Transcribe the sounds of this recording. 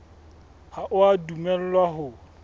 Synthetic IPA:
haʔʊadumɛl̩lwaɦʊ

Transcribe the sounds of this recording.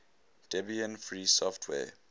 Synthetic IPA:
d̥ɛbiə̃nfɹiːsɔftʰwɛ̰

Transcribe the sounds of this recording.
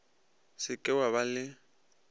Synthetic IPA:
sɪkʼɪwaβalɪ

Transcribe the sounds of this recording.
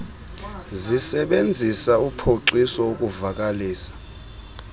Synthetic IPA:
zisɛɓend͡zʱisaupʰoǀisɔokʼuvak̬ʼaliːsḁ

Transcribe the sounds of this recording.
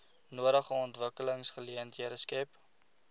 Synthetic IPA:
nuəɾəχəɔntvəkələŋsχəliəntʰiəɾəskɛp

